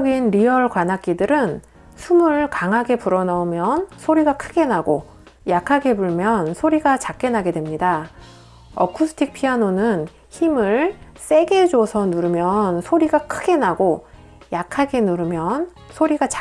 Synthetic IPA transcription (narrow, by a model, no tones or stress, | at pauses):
ɡinɾiʌɭkwanak͈idɯɾɯn | sʰumɯɭkaŋɦaɡe̞puɾʌnaumjʌnsʰoɾiɡakʰɯɡe̞naɡo | jakʰaɡe̞buɭmjʌnsʰoɾiɡat͡ɕak̚k͈e̞naɡe̞dwe̞mɲida | ʌkʰusʰɯ̥tʰik̚pʰianonɯn | çimɯɭ | s͈e̞ɡe̞d͡ʑosʰʌnuɾɯmjʌnsʰoɾiɡakʰɯɡe̞naɡo | jakʰaɡe̞nuɾɯmjʌn | sʰoɾiɡat͡ɕ